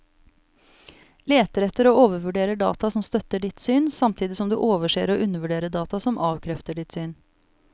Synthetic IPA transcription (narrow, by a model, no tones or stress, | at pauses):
leːt̪əɾɛt̪əɾoːoːʋəɾʋʉɖeːɾəɖɑ̰ːt̪ɑsɔmst̪œt̪əɖɪt̪syːnsɑmt̪ʰiːd̪ɪsɔmd̪ʉ̰ːʔoːʋəʂḛːɾoːʔʉnəʋʉɖeːɾəɖɑːt̪ɑsɔmʔɑːʋkʰɾɛft̪əɖɪt̪syːn